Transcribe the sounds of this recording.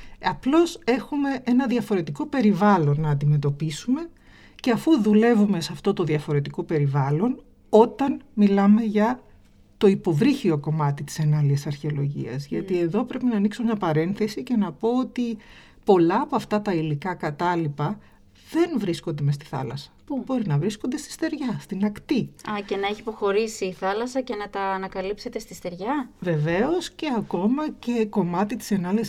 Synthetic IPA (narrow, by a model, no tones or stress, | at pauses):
ɐplo̞se̞xume̞ʔe̞nɐðʝɐfo̞ɾe̞t̪iko̞pe̞ɾivɐlo̞nːɐːnd̪ime̞t̪o̞pisume̞ | ceɐfuðule̞vume̞sɐft̪o̞t̪o̞ðjɐfo̞ɾe̞t̪iko̞pe̞ɾivɐlo̞n | o̞t̪ɐnmilɐme̞ʝɐ | t̪o̞ipo̞vɾiçio̞ko̞mɐt̪it̪i̥senɐliɐsɐɾçeo̞lo̞ʝḭɐ̰zʝɐ̰t̪ie̞ðo̞pɾe̞pinɐːniksume̞ɲɐpɐɾe̞nθe̞sice̞nɐpo̞ot̪i | po̞lɐːpoɐft̪ɐt̪ɐilikɐkɐt̪ɐlipɐ | ðe̞nvɾisko̞nd̪e̞mest̪i̥θɐ̰lɐ̰sɐ̥bo̞ɾinɐvɾisko̞nd̪e̞st̪i̥st̪e̞ɾʝɐst̪inɐkt̪iɐce̞nɐeçipo̞xo̞ɾisiːθɐlɐsɐce̞nɐt̪ɐːnɐkɐlipse̞t̪e̞st̪ist̪e̞ɾʝɐve̞ve̞o̞sce̞ɐko̞mɐce̞ko̞mɐt̪it̪i̥se̞nɐliɐs